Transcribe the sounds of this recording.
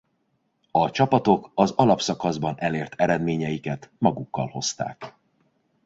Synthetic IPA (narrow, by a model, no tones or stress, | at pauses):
ɒt͡ʃɒpɒt̪o̞kɒzɒlɒpsɒkɒzbɒnʔɛleːrt̪ʰɛɾɛd̪meːɲɛjikɛt̪mɒɡukːɒ̰lho̞st̪a̰ːk